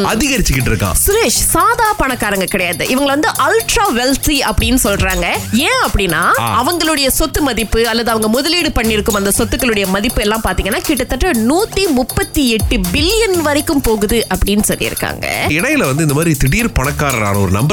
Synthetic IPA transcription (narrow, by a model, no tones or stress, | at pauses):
ɐðɪɣɐɾɪt͡ʃːɯkːɪʈ̬ːɪɾɯkːã̰ːsʊɾeːʂsaːðaːpɐɳɐkːaːɾɐŋɡɐkɪɽɐjaːðɯ̰ʔɪʋɐŋɡɐɭʋɐnd̪ɯʔɐlʈɾaːʋɛlt̪iɐpːɐɽɪnːɯsɔlrɾaːŋɡɐẽːɐpːɐɽɪnːa̰ːɐʋɐŋɡɐɭɯɽɐjɐsɔt̪ːɯmɐðɪpːɯɐlːɐðɯɐʋɐŋɡɐmʊðɐliːɽɯpɐɳːɪɾɯkːɯmɐnd̪ɐsɔt̪ːɯkːɐɭɯɽɐjɐmɐðɪpːɯɛlːãːpaːɾt̪iːŋɡɐnːaːkiːʈːɐt̪ːɐʈrɐnuːt̪ːimʊpːɐt̪ːiɛʈːɯbɪlɪjɐnʋɐɾɪkːɯmpoːɣɯðɯʔɐpːɐɽɪjnːɯsɔlːɪ̰ɾɯ̰kːa̰ːŋɡɐ̰ɪɽɐjɪlɐʋɐnd̪ɯɪnd̪ɐmaːðɾit̪ɪɽijɪɾpɐɳɐkːaːɾɐ̰ɾa̰ːnɐɔɾɯnɐ̰mbɐ